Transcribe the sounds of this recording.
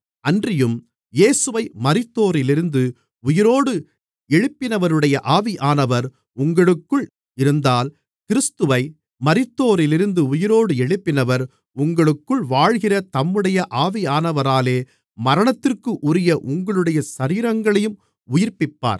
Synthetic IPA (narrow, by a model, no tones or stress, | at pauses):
ɐndrɪjɯm | jeːsɯʋɐɪmɐɾɪt̪ːoːɾɪlɪɾɯnd̪ɯ | ʊjɪɾoːɽɯ | ɛɻɯpːɪnɐʋɐɾɯɽɐjɐʔaːʋiʔaːnɐʋɐɾ | ʊŋɡɐɭɯkːɯɭ | ɪɾɯnd̪aːl | kɪɾɯst̪ɯʋɐɪ | mɐɾɪt̪ːoːɾɪlɪɾɯnd̪ɯʊjɪɾoːɽɯɛɻɯpːɪnɐʋɐɾ | ʊŋɡɐɭɯkːɯɭʋaːɻɣɪrɐt̪ɐmːɯɽɐjɐʔaːʋiaːnɐʋɐɾaːleː | mɐɾɐɳɐt̪ːɪrkɯʔʊɾɪjɐʔʊŋɡɐɭɯɽɐjɐsɐɾiːɾɐŋɡɐɭɐjɯm | ʊjɪrpɪpːa̰ːɾ